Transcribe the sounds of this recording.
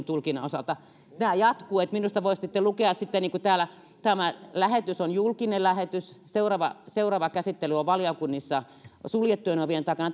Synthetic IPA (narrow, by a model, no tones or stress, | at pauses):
nt̪ulkinɑosɑlt̪ɑ | næːjɑt̪kuːet̪minust̪ɑʋoissit̪ːelukeɑssit̪ːeniːŋkut̪æːlæ | t̪æmælæhet̪ysonjulkinellæhet̪ysseurɑʋɑseurɑʋɑkæsit̪ːelyoʋʋɑljɑkunːisːɑ | suljet̪ːuenoʋient̪ɑˑikɑnɑ